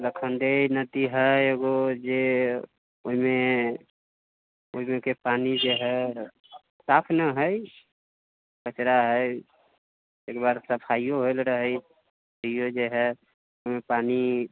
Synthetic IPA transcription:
ləkʰənd̪ejnəd̪iɦəeɡod͡ʒe | oɦime | oɦimẽkepanid͡ʒeɦɛ | sapʰnəɦəj | kət͡ʃɾaɦə | eːkbaɾsəpʰaijoɦolɾəɦəj | əijod͡ʒeɦɛ | oimepani

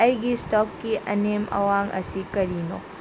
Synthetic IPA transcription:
ɐjɡistɔkːiʔɐnemɐ̰waŋɐ̰sikɐɾino̰

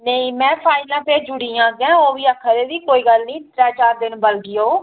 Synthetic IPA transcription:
neĩːmɛ̃ːpʰaːɪlãːpeːɾd͡ʒʊɽiːãːɡjãːoːʋiːəkʰːəɾeːʋiːkoːiːɡəlnĩːt̪ɾɛ̃ːt͡ʃaːɾd̪ɪnbəlɡɪjoː

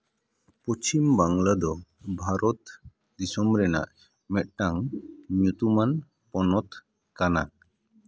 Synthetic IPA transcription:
pɔt͡ʃimbaŋlad̪ɔ | bʱaɾɔt̪ | d̪isɔmɾɛna̰ʔ | mɛt̪̚ʈaŋmjut̪uman | pɔnɔt̪ | kana̰

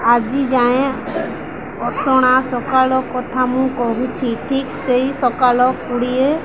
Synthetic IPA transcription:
ad͡ʒid͡ʒaẽ | ɔsɔɽ̃asɔkalɔkɔt̪ʰamũkɔɦut͡ʃʰiʈʰikseisɔkalɔkuɽie

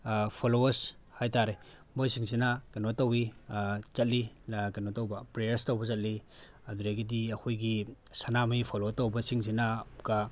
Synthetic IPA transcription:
pʰolowɐɾs | hajtaɾe | mojsiŋsinakenotɐwit͡ʃɐt̚likenotowbɐpɾejɐɾstowbɐzɐt̚li | ɐduɾeɡidiɐkʰojɡisanamijpʰolotowbɐsiŋsinaka

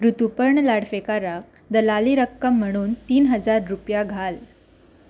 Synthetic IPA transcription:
ɾut̪upəɾɳəlaɽfekaɾak̚ | d̪əlaliɾəkːəm̤ːəɽ̃uːnt̪iːnɦəd͡zaɾːupjaɡʱal

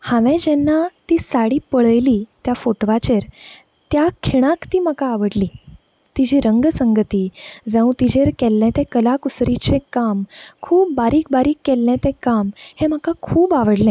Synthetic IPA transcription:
hãʋɛ̃d͡ʑɛnːat̪iːsaɽiːpəɭəjliːt̪jafoʈʋat͡ɕeɾ | t̪jakʰiɽ̃ãkt̪iːm̤əkaːʋəɽliː | t̪id͡ʑiːɾəŋɡəsəŋɡət̪iːd͡zãũt̪id͡ʑeɾkɛlːat̪ɛ̃kəlakusɾit͡ɕekamkʰuːpːaɾiːk̚baɾiːkːɛlːat̪ɛ̃kamhem̤əkakʰuːbaʋəɽlɛ̃

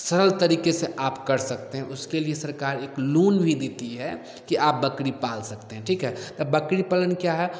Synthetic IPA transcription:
sɐɾəlt̪ɐɾiːkeseʔaːpkɐɾsɐk̚t̪eɦɛ̃ʔʊskeliesɐɾkaːɾeːkluːnbʱid̪eːt̪iɦɛ | kiʔaːp̚bɐkɽipaːlsɐkt̪eɦɛ̃ʈʰiːkɦɛt̪ɐbɐkɽipalənkjaɦɛ

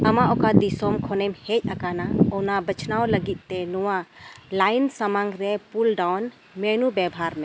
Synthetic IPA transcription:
ɐmaʔɔkad̪isɔmkʰɔnɛmhɛc̚ˀakanaɔnabət͡ʃʰnawləɡit̪̚ˀt̪ɛnɔwalajnsəmaŋɡɾɛpulɖawn | mɛnubɛbʱaɾmɛ̃

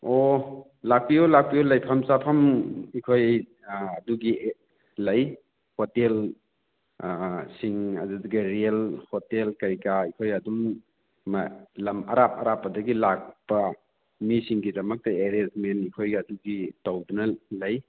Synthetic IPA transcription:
o | lak̚piɔlak̚pijɔlɐjpʰamsapʰamikʰoj | ɐduɡi | lɐj | hotel | siŋɐduduɡɐɾielhotelkɐjkaikʰojɐduŋ | malɐmɐ̰ɾap̚ɐɾapːɐdɐɡilak̚pɐ | misiŋɡidɐmɐk̚tɐeɾed͡ʒmenikʰojɐduɡitawdunɐlɐj

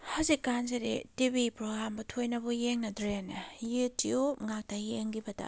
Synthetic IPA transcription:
hawzikːanzeɾḛtibipɾoɡɾambɐtʰojnɐbɔjeŋnɐdɾenɐjɯtioŋak̚tajeŋɡibɐda̰

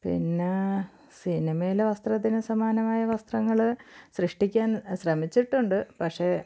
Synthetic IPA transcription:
pḭnːe | sinimɐjilʋɐst̪rɐt̪̬ːinɨsɐmaːnɐmaːjɐʋɐst̪rɐŋːɐɭɕrɨʂʈikʲːaːnɕrɐmit͡ɕːiʈːuɳɖɨpɐkʂe̞

